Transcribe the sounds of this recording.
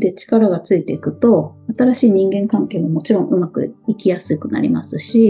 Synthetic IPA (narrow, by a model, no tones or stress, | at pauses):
d̪e̞t͡ɕi̥kaɾaɡat͡sɨit̪e̞ikɯ̟t̪o̞at̪aɾaɕiːɲ̟ĩŋɡẽ̞ŋkãŋke̞ːmomo̞t͡ɕiɾõ̞ŋ̃ʔɯ̟makɯ̟̰ikʲijasɨikɯ̟na̰ɾʲimasɨɕi